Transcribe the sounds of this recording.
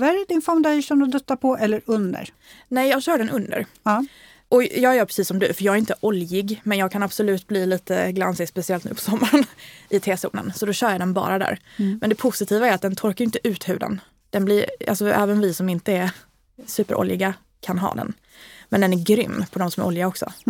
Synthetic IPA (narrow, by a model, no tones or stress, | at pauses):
vaɾæɖɪnfɔmd̪aʂɛnɔd̪ɵt̪ːapʰɔɛlːəɾɵnd̪ə̰ɾ | nɛjjɑːɡɕœːɖɛnʔɵnd̪ə̰ɾ | ʔɔjɑːɡɛɾjœːpʰɾɛ̥siːsːɔmd̪ʉ̰fœɾjɑːɡæɾɪnt̪əʔɔljɪɡmɛnjɑːɡkʰanab̥sɔlʉ̟ːt̪̚bliːliːt̪əɡla̰nsɪɡspɛsɪɛlt̪nʉ̟̰ːpʰɔ̥sɔmːaɾənʔɪt̪ʰeːsṵːnə̰nsɔd̪ɔɕœːjaɖ̪ɛnbɑ̰ːɾad̪æ̰ːɾmɛnd̪ɛpʰʊsɪt̪ʰiːvaæɾat̪̚d̪ɛnt̪ʰɔɾkajʏnt̪əʔʉ̟ːt̪hʉ̟ːd̪ə̰n | d̪̥ɛnblɪɾa̰lsɔʔɛ̰ːvənvɪsɔmɪnt̪əæɾ | sʉ̟ːpəɾʔɔ̰ljɪ̰ɡa | kʰanɦɑ̰ːd̪ɛ̰n | mɛnd̪ɛnæɾɡɾʏ̰mːpʰɔd̪ɔmsɔmæ̰ʔɔljɪɡaɔksɔ̰